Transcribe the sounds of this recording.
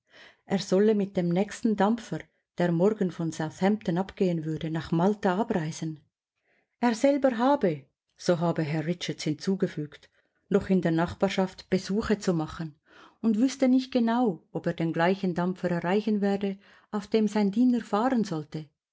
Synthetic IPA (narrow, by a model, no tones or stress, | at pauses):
ʔeːɐz̥ɔləmɪt̚d̥eːmnɛːkstn̩damfəʁ | d̥eːɐmɔɾɡənfɔnz̥aʊθhɛmptənapɡ̥eːənvʏɐdənaːχmaltaʔabʁaɪzən | ʔeːɐʁzɛlbəɾɦaːbə | z̥oːɦaːbəɦɛʁʁɪt͡ʃəthɪnt͡suːɡəfyːkt | nɔχɪndeːɐnaχb̥aːʁʃaftb̥əzuːχət͡sumaχən | ʊndv̥ʏstənɪçt̚ɡ̥enaʊʔopeːɐdeːnɡlaɪçən̩damp͡fəɾɛʁʁaɪçənvɛːdə | ʔaʊfd̥eːmzaɪndiːnəɾfaːʁənzɔltə